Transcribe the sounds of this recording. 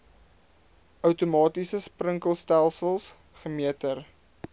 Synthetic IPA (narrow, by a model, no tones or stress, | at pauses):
ʔœwtumɑːtisəsprəŋkəlˠstælˠsəlˠs | χəmiətər